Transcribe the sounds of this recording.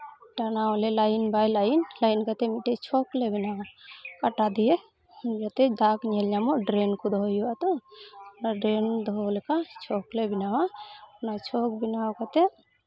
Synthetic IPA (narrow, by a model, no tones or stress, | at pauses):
ʈanawlɛlainbajlainlainkat̪ɛmiʈɛt͡ʃʰɔklebinawakaʈad̪ijɛ | d͡ʒat̪ɛd̪akɲɛld͡ʒamɔɖɾenkud̪ʱɔɦɔjuat̪ɔɔnaɖɾend̪ɔɔlɛkat͡ʃʰɔklebinawapnat͡ʃʰɔk̚binawkat̪ɛ